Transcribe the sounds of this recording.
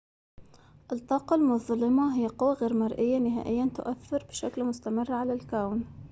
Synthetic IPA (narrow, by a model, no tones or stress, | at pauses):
ʔɨt̪ˤːɑːqɑlmʊðˤlːɪmɑɦɪjːaqʊwːaɣeːɾmɑɾˤʔɪjːanɪɦa̰ːʔɪjːant̪ʊʔaθːɪɾbɪʃaklmʊst̪amɪrːʕalalkawn